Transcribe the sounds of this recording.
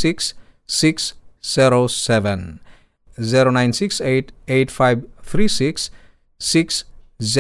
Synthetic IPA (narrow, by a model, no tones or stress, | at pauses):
siksː | iksz̥eɾosɛʋẽn | ziɾonajnsikseʈeʈfʰajbt̪ʰɾisiksː | iksz